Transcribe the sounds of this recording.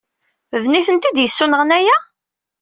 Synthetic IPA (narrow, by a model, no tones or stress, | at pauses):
vniθənt̪id̪jəsːunəʁənæjæ